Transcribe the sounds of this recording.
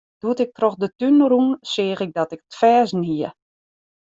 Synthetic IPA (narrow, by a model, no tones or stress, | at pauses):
d̥uətɪk̚troxdətynəɾunsɪːɣɪk̚dɔtɪkətfɛːsniə